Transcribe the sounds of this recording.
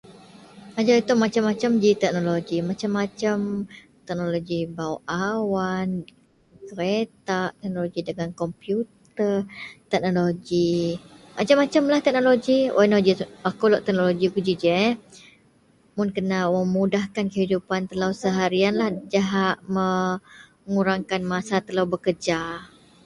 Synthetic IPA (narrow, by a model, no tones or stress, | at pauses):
ad͡ʒait̪umat͡ʃamːat͡ʃamd͡ʒit̪ɛk̚noloɡimat͡ʃamːat͡ʃam | t̪ɛk̚noloɡibawʔawan | kəɾet̪aʔt̪ɛk̚noloɡidəŋankɔmpjut̪ərt̪ɛk̚noloɡi | mʔat͡ʃamːat͡ʃamlaht̪ɛk̚noloɡianod͡ʒiwakolɔʔt̪ɛk̚noloɡikud͡ʒid͡ʒə | mʊnkənaʔməmudahkankəɦidupant̪əlawsəɦaɾianlahd͡ʒaɦaʔmə | ŋuɾaŋkanmasat̪əlawbəkəd͡ʒa